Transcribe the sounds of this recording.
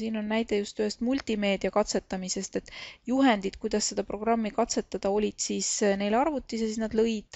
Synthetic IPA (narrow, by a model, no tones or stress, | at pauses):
siːno̞nːæjd̪̥e̞just̪øhest̪mulʲt̪ʲˑime̞ːd̪̥iɑkɑt̪se̞t̪ːˑɑmise̞st̪e̞t̪ːˑjuɦend̪̥id̪̥kujd̪̥ɑsːe̞d̪̥ɑpro̞ɡ̥rɑmːikɑt̪se̞t̪ːˑɑd̪̥ɑo̞lʲid̪̥siːsne̞jlɑrvut̪ˑːisjɑsisnɑd̪lɤ̞jd̪̥